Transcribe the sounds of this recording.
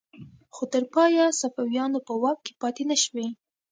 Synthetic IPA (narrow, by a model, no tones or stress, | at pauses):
xot̪əɾpɑjasafawjɑnopəwɑk̚ke̥pɑt̪enaʃwe